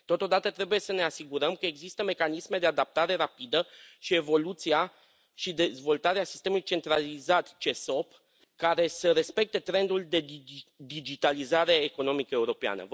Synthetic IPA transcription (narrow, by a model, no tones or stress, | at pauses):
t̪o̞t̪o̞d̪at̪ət̪ɾe̞buje̞səne̞asiɡuɾəmkəe̞ɡzist̪əme̞kanisme̞d̪e̞ad̪ap̚t̪aɾe̞ɾapid̪əʃie̞vo̞lut̪sia | ʃid̪e̞zvo̞lt̪aɾeasi̥st̪e̞muluit͡ʃe̞nt̪ɾalizat̪t͡ʃe̞so̞p | kaɾe̞səɾe̞spe̞k̚t̪e̞t̪ɾe̞nd̪uld̪e̞d̪id͡ʒit̪alizaɾe̞ːko̞no̞mikəe̞uɾo̞pea̰nə̰